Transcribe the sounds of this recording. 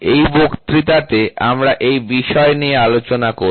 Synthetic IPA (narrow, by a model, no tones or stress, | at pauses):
ejbokt̪ɾit̪at̪ea̰mɾaʔejbiʃɔeniealot͡ɕonako